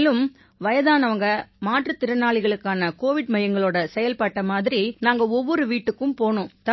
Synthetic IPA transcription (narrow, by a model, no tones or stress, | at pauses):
lɯm | ʋɐjɐðaːnɐʋɐŋɡɐmaːʈrɯt̪ːɪɾɐnaːɭɪɣɐɭɯkːaːnɐkoːʋɪɽmɐjɐŋɡɐɭoːɽɐsɛjɐlpaːʈːɐmaːðɪɾinaːŋɡɐɔʋːɔɾɯʋiːʈːɯkːɯmpoːɳʊ̃t̪ɐ